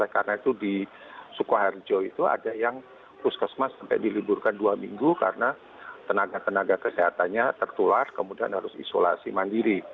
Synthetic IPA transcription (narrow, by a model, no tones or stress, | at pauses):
lakarənait̪udi | sukuɦard͡ʒoit̪ua̰dajaŋ | pʊskəsmasampɛ̰jdilibʊrkanduamiŋɡuka̰rəna | t̪ənaɡat̪ənaɡakəseɦat̪anɲat̪ərt̪ularkəmudia̰nhaɾʊsḭsola̰simandiɾi